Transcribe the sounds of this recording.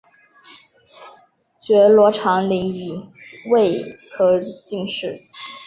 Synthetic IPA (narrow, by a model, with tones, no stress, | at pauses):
t͡ɕɥɛ˧˥lwɔ˧˥ʈ͡ʂʰɑ˧˥ŋli˧˥ŋi˨˩we˥˧ɪkʰɤ˧˥t͡ɕi˥˧ŋʂɻ̩˥˩